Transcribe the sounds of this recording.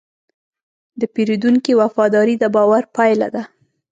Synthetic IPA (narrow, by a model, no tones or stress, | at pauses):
d̪əpeɾid̪uŋkiwafɑd̪ɑɾid̪əbɑwaɾpajla̰d̪a